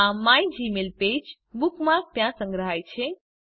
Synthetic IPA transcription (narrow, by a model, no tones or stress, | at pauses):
ãmajd͡ʒimelped͡ʒ | bukmak̚t̪jãsə̃ŋɡɾəɦajt͡ʃʰe